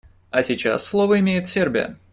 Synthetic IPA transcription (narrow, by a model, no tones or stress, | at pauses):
ɐsʲɪt͡ɕa̰sːlˠovəɪmʲejɪt̪sʲerbʲɪ̰jə̰